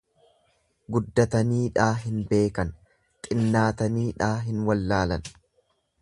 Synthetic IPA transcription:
ɡʊd̪ːɐt̪ɐniːᶑaːɦɪnbe̞ːkɐn | t̪ʼɪnːaːt̪ɐniːᶑaːɦɪnwɐlːaːlɐ̰n

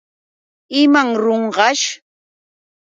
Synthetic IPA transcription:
ɪmaŋɾoɴɢɑʃ

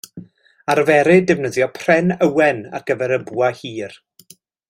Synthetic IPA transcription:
aɾvɛɾɨdɛvnəðjɔpʰr̥ɛnəwɛna̰rɡ̥əvɛɾəbuahiːr

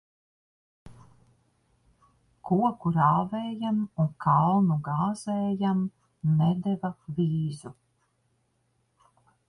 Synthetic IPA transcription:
kuɔkuɾaːvɛːjamunkʰalˠnuɡaːz̥ɛːjam | nɛd̪ɛvaviːzu

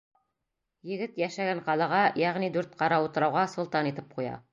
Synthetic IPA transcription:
jɘ̆ɡɘt̪jæʃæɡæɴqɑlˠɑʁɑjæʁnid̪ʉɾt̪̚qɑɾɑut̪ɤ̆ɾɑwʁɑsŏlˠt̪ɑnit̪ɘp̚qujɑ̰

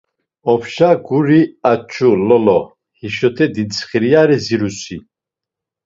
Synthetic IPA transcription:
ɔpʰʃaɡuɾiat͡ʃʰʼulɔlɔ | hiʃɔt̪ʰɛd̪int͡sʰχiɾijaɾɛziɾusi

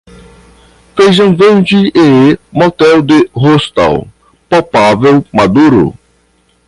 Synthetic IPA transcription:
fejzɐ̃w̃vẽd͡ʒieemɔt̪ɛwd̪ɪɦost̪a̰w | pawpavewmad̪uɾʊ̰

